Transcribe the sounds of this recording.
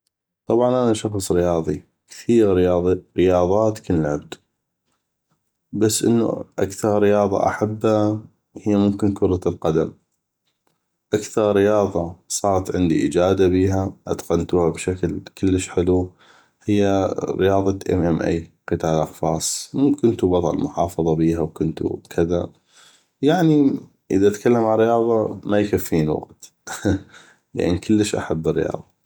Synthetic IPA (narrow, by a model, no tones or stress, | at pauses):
t̪ˤɑbʕɑnʔanaʃɑxsˤɾɪjɑːðˤi | kθiːɣɾɪjɑːðˤiɾɪjɑːðˤɑːt̪kanlʕab̚d̪ | basːʔə̰nːṵʔa̰kθɑɾˤɾɪjɑːðˤɑ̰ʔa̰ħabːha | hɪjːamʊmkɪnkʊɾˤɑlqɑd̪am | ʔakθɑɾˤɾɪjɑːðˤɑsˤɑːɾˤɑt̪ʕɪnd̪iʔɪd͡ʒaːd̪abiːɦaʔa̰t̪qɑnt̪uhabʃaklkɪlːəʃħɪlu | hɪjːaɾɪ̰jɑːðˤɑʔɛ̰mʔɛmʔa̰jqɨt̪aːlʔɑxfɑːsˤmʊmkʊnt̪ubɑt̪ˤɑ̰lmʊħɑːfɑðˤɑbiːhawkʊnt̪ṵkʰɪða | jaʕni | ʔəðaʔat̪kalːamʕanɾːɪjɑːðˤɑmajkafːiːnwa̰qt̪ | la̰ʔnikʰəlːəʃʔa̰ħabːɪrːɪ̰jɑ̰ːðˤɑ